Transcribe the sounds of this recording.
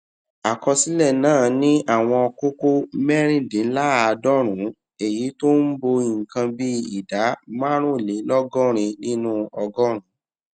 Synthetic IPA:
a˨kɔ˧si˦lɛ˦˨nãː˦˨nĩ˦ʔa˦˨w̃ɔ̃˧ɔ˧ko˦ko˦mɛ˦ɾ̃ĩ˦˨dĩ˨˦n̩˦la˦˨˧dɔ˦ɾ̃ũ˨˦ | e˨ji˨˦to˦n̩˦bo˧i˨ŋ̩˨kã˧bi˦i˦˨da˨˦mã˦ɾ̃ũ˦˨le˨˦lɔ˦ɡɔ˦˨ɾ̃ĩ˧nĩ˦nũ˦ɔ˧ɡɔ˦ɾ̃ũ˨˦

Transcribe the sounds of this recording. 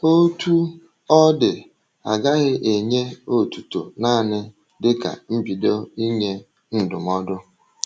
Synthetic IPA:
o˦tu˦ | ɔ˦dɪ˨ | a˨ɡa˦ɣɪ˦ʔe˨ɲe˦o˦tu˨to˨naː˦˨nɪ˦ | dɪ˦ka̰˨m̩˦bi˨do˦i˦ɲe˦ | n̩˦dʊ˨mɔ˦dʊ˦

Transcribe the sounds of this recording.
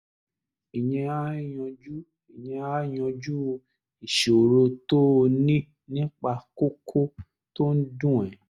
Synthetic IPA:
i˨j̃ɛ̃˧a˦i˦˨j̃ɔ̃˧d͡ʒu˦ | i˨jɛ̃˧a˦i˦˨jɔ̃˧d͡ʒu˦˧ | i˨ʃe˨o˨ɾo˧to˦˧nĩ˦ | nĩ˦k͡pa˧ko˦kʰo˦ | to˦n̩˦dũ˦˨ɛ̃˨

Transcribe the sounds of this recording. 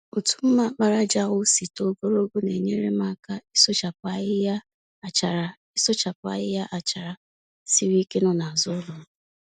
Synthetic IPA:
o˨tu̥˨m̩˦ma˦k͡pa˦ɾa˦d͡ʒa˦ɣʊ˦si˨to˨ɡo˦ɾo˦ɡo˦ne˨ɲe˦ɾe˦ma˦˨ka˦i˦so˦t͡ʃa˨p̚ʊ˨a˦˨ɪ˦ja˦˨ | t͡ʃa˨ɾa˨ | i˦so˦t͡ʃa˨pʊ˨˦a̰˨jɪ˦ja˦ʔa˨t͡ʃa˨ɾa˨ | si˦ɾi˦ke˦nɔ˦na˨a˨zʊ˦lʊ˨˦

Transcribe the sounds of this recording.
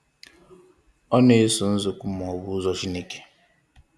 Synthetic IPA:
ɔ˦ne˨˦sʊ˨n̩˦zʊ˨kʷʊ˦m˨ɔ˨bʊ˦zɔ˦t͡ʃi˦ne˦ke̥˨

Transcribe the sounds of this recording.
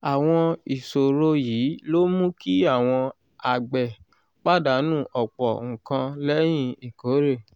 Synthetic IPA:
a˨w̃ɔ̃˧i˨so˨ɾo˧jiː˨˦lo˦mũ˦ki˦a˦˨w̃ɔ̃˧ | a˨ɡ͡bɛ˨ | k͡pa˦˨da˨˦nũː˦˨ʔɔ˨k͡pɔ˨ŋ̩̃˨kã˧lɛ˦j̃ĩ˦˧i˨ko˨˦ɾe˦˨

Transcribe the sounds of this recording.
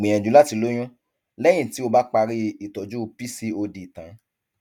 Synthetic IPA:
ɡ͡bẽ˨ɛ̃˨d͡ʒu˨˦la˦ti˧lo˦j̃ɔ̃˦ | lɛ˦j̃ĩ˦˨ti˨˦o˧ba˦k͡pa˧ɾi˦i˦˨tɔ˨˦d͡ʒu˦˧pi˦si˦o˧di˧˨tã˨˦

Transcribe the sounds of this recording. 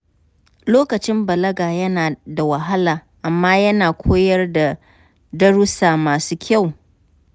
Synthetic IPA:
loː˦kɐ˨t͡ʃɪ˦mbɐ˨lɐ˦ɡaː˨jɐ˦naː˨da˨wɐ˨ɦa˦laː˨ʔa˨mːaː˦jɐ˦naː˨kʷʰoː˦jɐ˦rda˨ | dɐ˦ɽʊ˦saː˨maː˨suː˦kʲa˦˨w

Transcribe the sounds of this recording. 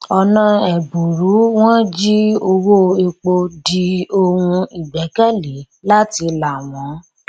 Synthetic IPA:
ɔ˧nã˧ɛ˨bu˨ɾu˨˦w̃ɔ̃˦d͡ʒi˦o˧wo˦e˧k͡po˧di˧o˧hũ˧i˨ɡ͡bɛ˨˦kɛ˦˨le˨˦ | la˦ti˧la˨mɔ̃˨˦

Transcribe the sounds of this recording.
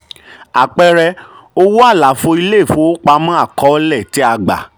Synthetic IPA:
a˨k͡pɛ˧ɾɛ˧ | o˧wu˦a˦˨la˨˦fo˧i˧le˦˨fõ˦o˦k͡pa˧mã˦a˦˨kɔ˨˦lɛ˦˨ti˦a˧ɡ͡ba̰˨

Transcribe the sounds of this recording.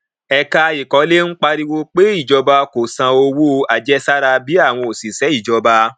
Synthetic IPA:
ɛ˧ka˧i˨kɔ˨˧˦le˦n̩˦k͡pa˧ɾi˧wo˧k͡pe˦i˦˨d͡ʒɔ˧ba˧ko˨sã˨o˧wu˦˧a˨d͡ʒɛ˦sa˦ɾa˧bi˨˦a˦˨w̃ɔ̃˧o˨si˨sɛ˨˦i˦˨d͡ʒɔ˧ba˧

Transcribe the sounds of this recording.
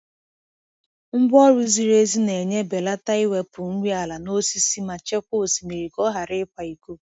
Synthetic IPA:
ŋ͡m̩˦bɔ˦ɾu˦zi˨ɾe˦zi˦ne˨ɲe˦be˨la˦ta˦i˦we˦pʊ˨ŋ̩˦ɡʷi˦a˨la˨no˦si˦si˦ma˨t͡ʃe˦kʷʊ˦˨si˨mi˨ɾi˨kɔ˦ɦa˨ɾɪ˦kʷa˨i˨ko˦

